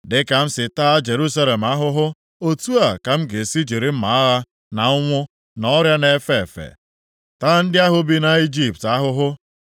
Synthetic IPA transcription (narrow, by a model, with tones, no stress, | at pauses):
dɪ˦ka˨m̩˦sɪ˨taː˦d͡ʒe˨ɾu˦sa˦le˨m̩a˦ɦʊ˦ɦʊ˦ | o˦tu˦a˨ka˨m̩˦ɡe˨si˦d͡ʒi˨ɾɪ˦m̩˦ma˨a˦ɦa˦ | na˨ʊ˦ŋʷʊ˦ | nɔ˦ɾja˦ne˨˦fe˨fḛ˨ | taː˦n̩˦dɪ˦a˦ɦʊ˦bi˦na˨i˦d͡ʒi˨p̚ta˦ɦʊ˦ɦʊ˦